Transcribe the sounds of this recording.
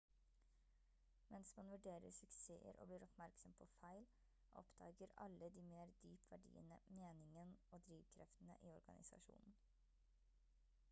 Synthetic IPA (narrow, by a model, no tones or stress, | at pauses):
mɛnsmɑnʋʉɖeːɾəɾsʉksḛːəɾʔo̰ːbliːɾɔpmæɾksɔmpʰɔfæɪl | ʔɔpd̪ɑːɡəɾɑ̰lːəd̪iːmeːɾd̪yːpʋæɖḭːə̰nəmeːnɪŋənoːd̪ɾiːʋkʰɾɛft̪n̩ə̰ʔiːɔɾɡɑ̰nʔɪsɑ̰ʂṵːnn̩